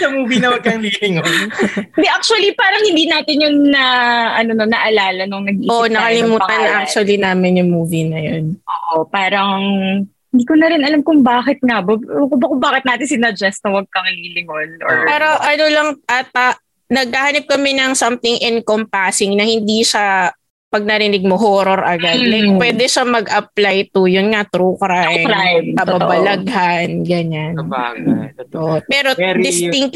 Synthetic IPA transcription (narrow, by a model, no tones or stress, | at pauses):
kɐmuːvinɐwɐɡ̚kɐŋlilɪŋonɪnd̪ɛʔak̚t͡ʃʊɐlipaːɾɐŋhɪnd̪iːnaːt̪ɪnjʊŋnɐʔɐnononɐʔɐlaːlɐnʊŋnɐɡ̚iʔoʔnɐkɐlɪmuːt̪ɐnːɐʔak̚t͡ʃʊɐlinaːmɪnjʊŋmuːvinɐjonʔoːʔopaːɾɐŋ | ɪnd̪iːkʊnɐɾɪnɐlamkʊŋbaːkɪt̪̚ŋɐbɐkʊbɐkʊŋbaːkɪt̪̚naːt̪ɪnsɪnɐd͡ʒɛst̪ɐwɐɡ̚kɐŋŋlilɪŋonʔo̰ɹpaːɾoʔɐnolɐŋʔɐt̪̚ɐ | nɐɡ̚kahanɐp̚kɐmɛnɐŋsɐmt̪ɪŋʔɪnkompasɪŋnɐhɪnd̪iʃɐ | pɐɡ̚nɐɾɪnɪɡ̚moɦoɾoɾʔɐɡadlɐjk̚pwɛːd̪ɛʃɐmɐɡʔɐp̚lajt̪ʊjʊnŋat̪ɾukɾajɾajkɐbɐbɐlɐɡhanɡɐɲan | ʔoʔpɛːɾodd̪ɪst̪ɪŋk